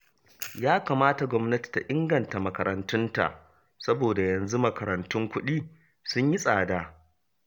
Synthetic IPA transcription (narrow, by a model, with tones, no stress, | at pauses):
jaː˦kaː˨maː˦ta˨ɡʷɔ˦mnɐ˦ti̥˨ta˨ʔɪ˦ŋɡɐ˨nta˨mɐ˨kɐ˨ɾɐ˨ntʊ˦nta̰˨ʔ | sɐ˦boː˨da˨jɐ˨nzu˦mɐ˨kɐ˨ɾɐ˨ntʊ˦ŋkʷʊ˦ɗiː˦ | sʊ˦ɲji˦sʼaː˨daː˦